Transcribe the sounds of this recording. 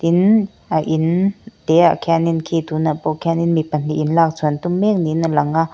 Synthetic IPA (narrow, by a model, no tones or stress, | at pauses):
t̪in | aʔint̪ɛa̰ʔkʰɛninkʰiːt̪unapɔkʰɛninmipɐn̥iʔinlaːk̚t͡sʰunt̪ummɛk̚ninalɐŋaʔ